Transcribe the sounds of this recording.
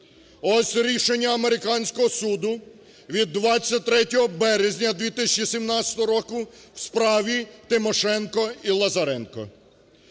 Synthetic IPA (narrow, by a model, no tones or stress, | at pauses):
ɔsʲɾʲiʃenʲːɐɐmeɾɪkɑnʲsʲkɔɦɔsud̪ʊ | ʋʲid̪ːʋɑt͡sʲːɐt̚ʲt̪ɾɛtʲɔɦɔbɛɾezʲnʲɐd̪ʋʲit̪ɪsʲɐ̥t͡ʃisʲimnɑtsʲɐ̥t̪ɔɦɔɾɔkʊwspɾɑʋʲit̪ɪmɔʃɛnkɔilˠɐzɐɾɛnkɔ̰